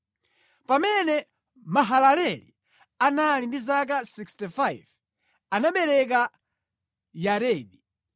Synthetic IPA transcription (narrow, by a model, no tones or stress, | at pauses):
pamɛnɛ | maɦalalɛlḭ | analindizak̬asikstifajv | anaɓɛɾɛk̬a | jaɾɛːɗi